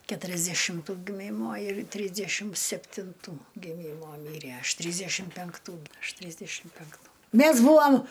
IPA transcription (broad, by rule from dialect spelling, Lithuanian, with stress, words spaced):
kʲɛtʊrʲɛzʲdʲɛʃʲɪmˈtuː ɡʲɪˈmʲiːmoː ɪr ˈtʲrʲiːzʲdʲɛʃʲɪm sʲɛpʲtʲɪnˈtuː ɡʲɪˈmʲiːmoː ˈmʲiːrʲæ ˈɐʃ ˈtʲrʲiːzʲdʲɛʃʲɪm pʲɛŋkˈtuː ˈɐʃ ˈtʲrʲiːzʲdʲɛʃʲɪm pʲɛŋkˈtuː ˈmʲæs ˈbuːɐm